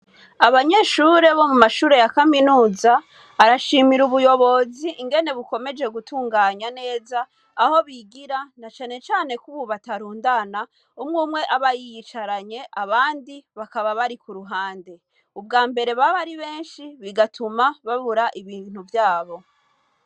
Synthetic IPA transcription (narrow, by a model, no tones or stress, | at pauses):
aβaɲe̞ːʃuɾe̞βo̞mumaʃuːɾe̞jakaminuːza | aɾaʃiːmiɾuβujo̞βo̞ziʔːŋɡe̞ne̞βuko̞me̞d͡ʒe̞ɡutʰuːŋɡaːɲane̞ːzaː | ho̞βiɡiɾanat͡ʃaːne̞t͡ʃaːne̞kuβuβataɾuːndana | umŋuːmŋe̞ʔaβajijit͡ʃaɾaɲe̞ʔaβaːndiβakaβaβaɾikuɾuɦaːnde̞ | ub̚ɡaːmbe̞ɾe̞βaβaɾiβe̞ːnʃiβiɡatʰumaβaβuɾaʔiβiːn̥huvjaːβo̞